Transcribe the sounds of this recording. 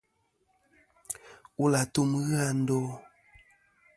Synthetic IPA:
u˦la˨tu˦m˦ɣɨ˦a˧n̩˦do˦

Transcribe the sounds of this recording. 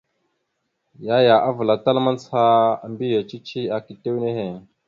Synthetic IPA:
ja˦ja˨ʔa˦və˨la˨ta˦lma˦n˦t͡sha˦˨mbi˦ja˨t͡ʃi˦t͡ʃi˦a˨ki˨te˦wne˦ɦe˨

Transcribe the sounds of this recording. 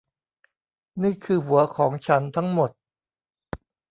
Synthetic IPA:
niː˥˩kʰɯː˧hu˩˦ɐkʰɔː˩˦ŋt͡ɕʰa˦˥nt̪ʰa˦˥ŋmo˨˩t̪̚

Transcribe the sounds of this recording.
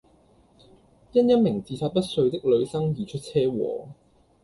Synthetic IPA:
jɐ˥njɐ˥nmɪ˨˩ŋt͡siː˧sʰaː˧t̚pɐ˥t̚sɵ˧ɥt̪ɪ˥k̚lɵ˨˧ɥsɐ˥ŋjiː˨˩t͡ʃʰɵ˥t̚t͡sʰɛː˥wɔ̰ː˨

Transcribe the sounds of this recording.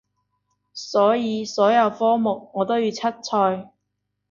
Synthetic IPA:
sɔː˨˥jiː˨˧sɔː˨˥jɐ˨˧wfɔː˥mʊ˨k̚ŋɔː˨˧t̪o˥wjyː˨˧t͡sʰɐ˥t̚t͡sʰɔː˧j

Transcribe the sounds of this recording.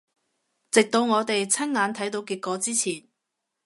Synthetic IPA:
t͡sɪ˨k̚t̪o˨˧wŋɔː˨˧t̪e˨jt͡sʰɐ˥nŋaː˨˧nt̪ʰɐ˨˥jt̪o˧wkiː˧t̚kɔː˨˧t͡siː˥t͡sʰiː˨˩n

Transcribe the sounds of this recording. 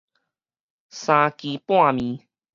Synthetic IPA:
sã˧ki˧˦pw̃ã˥˨mĩ˨˧˦

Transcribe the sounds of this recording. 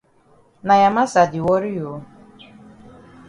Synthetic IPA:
na˨ja˨ma˦sa˨dɪ˨wɔ˦ɾi˦jo˨˦

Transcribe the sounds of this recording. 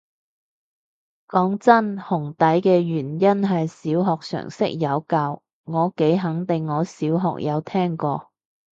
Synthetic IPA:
kɔː˨˥ŋt͡sɐ˥nhʊ˨˩ŋt̪ɐ˨˥jkɛː˧jyː˨˩njɐ˥nɦɐ˨jsiː˨˥wɦɔː˨k̚sœ̰ː˨˩ŋsɪ˥k̚jɐ˨˧wkaː˧w | ŋɔː˨˧ke˨˥jɦɐ˨˥ŋt̪ɪ˨ŋːɔː˨˧siː˨˥wɦɔ̰ː˨k̚jʔɐ̰˨˧wt̪ʰɛː˥ŋkɔː˧

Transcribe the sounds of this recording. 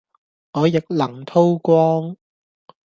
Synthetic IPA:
ʔɔː˨˧jɪ˨k̚lɐ˨˩ŋt̪ʰo˥wkʷɔː˥ŋ

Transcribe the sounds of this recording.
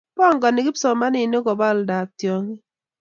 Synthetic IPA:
pɔ˦˨ŋɡɔ˨nɪ˨ɡi˦psɔ˨ma˦nɪ˦˨no˦ɡɔ˨bɔ˦˨lda˨k̚tjo˨ŋi˦

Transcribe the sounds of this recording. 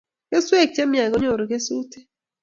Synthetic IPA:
ke˦swe˦˨k̚t͡ʃe˦mja˨ɡo˦ɲo˨ɾo˨ɡe˦su˦te˦

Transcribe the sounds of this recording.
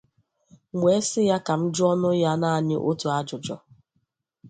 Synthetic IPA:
ŋʷe˨˦sɪ˦ja˦ka˨m̩˦d͡ʒʊ˦ɔ˦nʊ˦ja˦na˦a˨ɲɪ˦ʔo˦tu˨a˦d͡ʒʊ˨d͡ʒɔ̰˨

